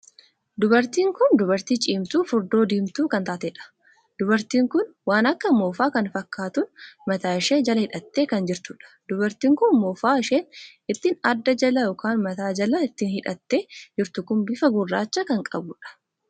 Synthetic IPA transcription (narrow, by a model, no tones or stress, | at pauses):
d̪ʊbɐɾt̪iːŋkʊnd̪ʊbɐɾt̪iːt͡ʃʼiːmt̪uːfʊɾd̪o̞ːd̪iːmt̪uːkɐnt̪aːt̪eᶑɐ̥ | d̪̥ʊbɐɾt̪iːŋkʊnwaːnɐkːɐmoːfaːkɐnfɐkːaːt̪ʊnmɐt̪aːɪʃeːd͡ʒɐlɐhɪᶑɐt̪ːe̞ːkɐnd͡ʒɪɾt̪ʊᶑɐ̥d̪̥ʊbɐɾt̪iːŋkʊnmoːfaːɪʃeːn | ɪt̪ːɪnɐd̪ːɐd͡ʒɐlɐjɔkaːnmɐt̪aːd͡ʒɐlɐɪt̪ːɪnhɪᶑɐt̪ːe̞ːd͡ʒɪɾt̪ʊkʊnbɪfɐɡʊrːaːt͡ʃːɐkɐŋkʼɐ̰bʊᶑɐ̥